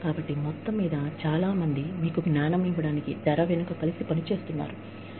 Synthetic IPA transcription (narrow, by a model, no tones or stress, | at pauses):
kaːbɐʈːimɔt̪ːɐmːiːd̪ɐt͡ʃaːlaːmɐnd̪imiːkuɡnaːɳɐmiʋɐɽaːnikid͡ʒ̪ɛɾɐʋenukɐkɐlisipɐnit͡ʃe̞ːst̪unːa̰ːɾu